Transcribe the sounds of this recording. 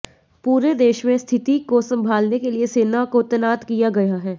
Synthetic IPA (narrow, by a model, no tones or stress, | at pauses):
puːɾed̪eːʃmẽst̪ʰɪt̪ikosɐ̃mbʱaːlnekelieseːnakot̪ɛnaːt̪kijaɡɐjaɦɛː